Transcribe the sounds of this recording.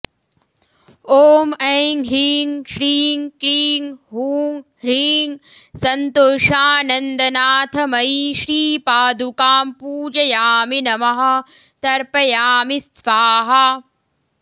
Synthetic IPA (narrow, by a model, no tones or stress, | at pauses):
oːmɐjŋɡɦiːŋʃɾiːŋkɾiːŋɦuːŋ | ɾiːŋsɐnt̪oːʃaːnɐnd̪ɐnaːt̪ʰɐmɐjiʃɾiːpaːd̪ukaːmpuːd͡ʒɐjaːminɐmɐɦɐ̆ | t̪ɐɾpɐjaːmist̪ʋaːɦɐ